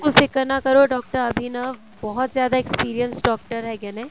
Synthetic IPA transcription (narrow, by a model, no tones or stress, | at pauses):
kʊsekɐɾnakɐɾoɖɔːk̚ʈəɾɐbʱina | bɔɦʊt̪zjaːd̪aekspiːɾijənsɖɔːk̚ʈəɾɦɛɡɛnẽː